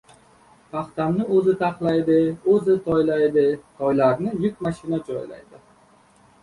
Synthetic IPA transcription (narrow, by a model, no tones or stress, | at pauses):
pʰɑχt̪amnɪɵzɪt̪ʰɑqlˠajd̪ɪɵzɪt̪ʰɒjlajd̪ɪt̪ʰɒjlaɾnɪjʊkʲmaʃɪnad͡ʒɒjla̰jd̪ɪ